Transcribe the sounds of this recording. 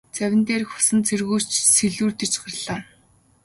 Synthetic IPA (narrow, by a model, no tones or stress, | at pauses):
t͡sæwʲɪ̆nt̪eːrxʊ̥sə̆nt͡sʰerɣuːt͡ɕseɮuːrt̪ĕt͡ɕɢə̆rɮaː